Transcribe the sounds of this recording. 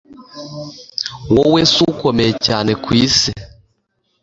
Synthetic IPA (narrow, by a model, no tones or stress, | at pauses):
wɔwɛsukɔmɛt͡ʃanɛkwisɛ